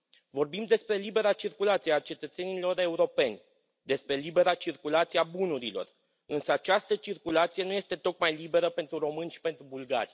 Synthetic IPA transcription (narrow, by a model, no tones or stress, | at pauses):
vo̞rbimd̪e̞spɾe̞libe̞ɾat͡ʃirkulat̪sijeat͡ʃe̞t̪ət̪se̞nilo̞ɾe̞uɾo̞pe̞nʲ | d̪e̞spɾe̞libe̞ɾat͡ʃirkulat̪sieabunuɾilo̞̰r | ɨnsəat͡ʃast̪ət͡ʃirkulat̪sije̞nuje̞st̪e̞t̪o̞kmajlibe̞ɾəpe̞nt̪ɾuɾo̞mɨnʲʃi̥pe̞nt̪ɾubulɡa̰ɾ